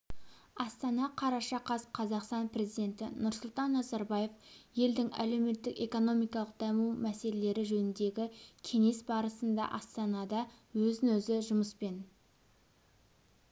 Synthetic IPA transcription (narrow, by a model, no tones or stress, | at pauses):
ɑst̪ɑnɑqʰɑɾɑʃɑqʰɑsqʰɑzɑqst̪ɑnpre̞zijd̪ʲe̞nt̪ɪnʊɾsʊlˠt̪ɑnːɑzɑɾbɑje̞fje̞ld̪ɪŋæ̰le̞wme̞t̪ːɪke̞ko̞no̞mijkɑlˠəq̚d̪æmuwmæse̞lele̞ɾɪʒɵnɪnd̪e̞ɡʲɪkʲʰe̞ŋe̞sbɑɾəsənd̪ɑ̰ʔɑst̪ɑnɑd̪ɑ | wɵzɪnɵzɪʒʊməspe̞n